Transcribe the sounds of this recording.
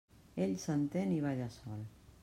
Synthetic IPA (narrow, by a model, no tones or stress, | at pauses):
eʎsənt̪eniβaʎasɔl